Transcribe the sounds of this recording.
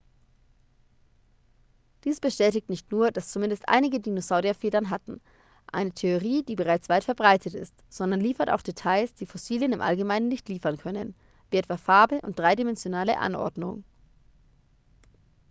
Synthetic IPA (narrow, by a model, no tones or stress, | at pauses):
d̥iːsb̥əʃtɛːtɪk̚tnɪçtnuːɐdast͡sumɪndəstʔa̰ɪnɪɡədinozaʊdiafeːdɐnɦatn̩ | ʔa̰ɪnətʰeoʁiːdiːbəʁaɪt͡sv̥aɪtfɛɐbʁaɪtʰətɪ̰stz̥ɔndɐnliːfɐta̰ʊxd̥etʰaɪsd̥iːfɔsiːljənɪmʔa̰lɡəmaɪnənːɪçtliːfɐnkʰœnən | viːʔɛtv̥aːfaɐbəʔʊnt̚d̥ʁaɪdimɛnzjonaːlə̰ʔa̰nʔɔ̰ɐdnʊ̰ŋ